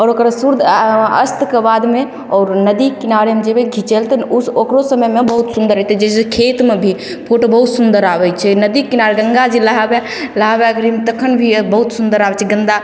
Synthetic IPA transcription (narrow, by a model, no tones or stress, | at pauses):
ɔːɾokɾsuɾd̪ə̰st̪kebad̪me | ɔːɾnəd̪ikinaɾemed͡ʒebeɡʱit͡ʃelt̪ɛnuokɾosəməjmebəɦut̪sund̪əɾɦɛt̪ɛd͡ʒesekʰet̪mebʱi | pʰoʈobəɦut̪sund̪əɾabɛt͡ʃʰɛnəd̪ikinaɾeɡəŋɡad͡ʒeləɦabɛ | ləɦabeəɡəɾimet̪əkʰənbʱibəɦut̪sund̪əɾabɛt͡ʃʰɛɡənd̪a